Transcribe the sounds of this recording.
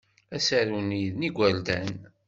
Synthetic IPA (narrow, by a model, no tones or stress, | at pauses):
æsæɾuniðniɡʷæld̪æn